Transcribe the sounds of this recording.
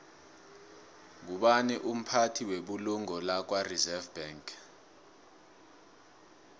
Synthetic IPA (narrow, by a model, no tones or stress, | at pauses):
ŋuɓanɛʔum̩pʰatʰiweɓuluŋɔlak̬warizɛvbaŋkʰ